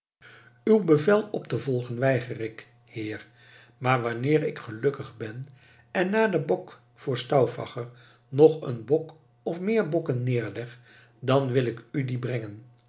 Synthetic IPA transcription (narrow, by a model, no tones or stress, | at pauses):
ywbəvɛlˠɔptəvɔlˠχənʋɛjχərɪk | hɪːɹ | maːɹʋɑnɪːɹɪkχəlɵkəχbɛn | ɛnːaːdəbɔk | fʊːɹstɑwfɑ̰χəɹ | nɔχə̰nbɔk | ɔfmɪːɹbɔkənːɪːɹlɛχ | dɑnʋɪlɪkydibrɛŋən